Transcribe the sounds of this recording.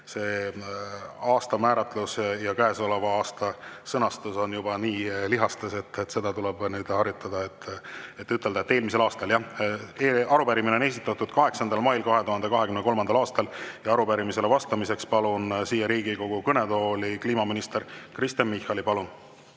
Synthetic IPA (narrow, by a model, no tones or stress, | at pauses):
se̞ː | ɑːst̪ɑmæːɾɑt̪ːˑlusjɑkæesolevɑɑːst̪ɑsɤnɑst̪uso̞njubɑniːliɦɑst̪eset̪ːet̪ːse̞d̪ɑt̪uleb̥nyːd̪̥hɑɾjut̪ːˑɑd̪ɑet̪ːe̞t̪ːyt̪ˑːeld̪ɑet̪ːe̞ːlmis̬e̞lɑːst̪ɑljɑeɑɾupæɾimine̞o̞ne̞ːs̬it̪ːˑɑt̪ːˑud̪̥kɑɦe̞ksɑnd̪̥ɑlmɑjlkɑɦe̞t̪uɦhɑne̞kɑɦekymnəko̞lmɑnd̪ɑlɑːst̪ɑljɑɑɾupæɾimise̞le̞vɑst̪ɑmise̞kspɑlunsiːjɑɾiːɡiko̞ɡ̥ukɤne̞d̪o̞ːlikliːmɑminist̪e̞ɾkrist̪emmihˑɑlipɑlun